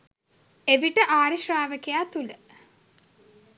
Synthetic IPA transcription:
eʋiʈəʔaːɾiʃraːʋəkejaːt̪ulə

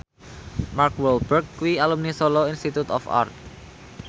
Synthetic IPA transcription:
markwɛlbərkːuwialumnisoloinst̪it̪ut̪ɔfa̰rt̪̚

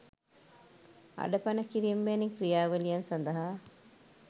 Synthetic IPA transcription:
ʔɐ̰ɖɐpɐnɐkiɾiembeːniŋkɾijaːʋɐlijɐnsɐnd̪ɐɦaː

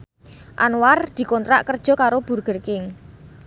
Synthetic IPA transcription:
ʔa̰nward̪̥i̤kɔnt̪ɾa̰ʔkərd̥ʒ̥ɔ̤kaɾob̥urɡ̥ərkɪŋ

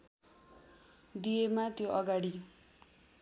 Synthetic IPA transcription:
d̪ijemat̪joʔʌɡaɽi

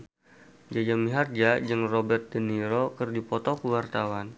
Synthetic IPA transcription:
d͡ʒad͡ʒamiɦard͡ʒad͡ʒɨŋrobɛrt̪̚dəniɾokərdipɔt̪ɔkuwart̪awan

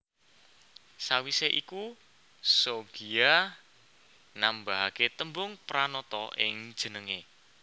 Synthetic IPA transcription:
sawiseʔiku | soɡ̥ia | nambaɦaket̪əmbʊŋpɾanɔt̪ɔɪ̰ŋ̥ʒ̥ə̤nəŋe

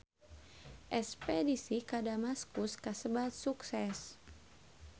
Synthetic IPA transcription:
ʔɛspɛdisikadamaskuskasəbat̪̚suksɛs

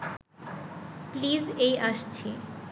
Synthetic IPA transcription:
plizejʔaʃt͡ɕʰe

